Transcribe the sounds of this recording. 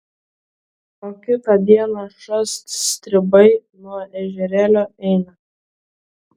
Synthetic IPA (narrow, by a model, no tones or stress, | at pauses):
koːkʲɪt̪ɐd̪ʲiɛnɐʃɔst̪st̪ʲɾʲɪbɐɪnuɔʔɛʒʲɛɾʲæːlʲoːɛɪnɐ